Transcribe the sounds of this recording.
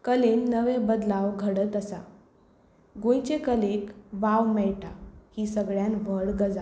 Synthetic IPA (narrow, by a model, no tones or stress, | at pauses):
kəlenːəʋebəd̪laʋɡʱəɽət̪əsa | ɡojt͡ɕekəlekʋawmɛɭʈahiːsəɡɭjãnʋəɽɡəd͡za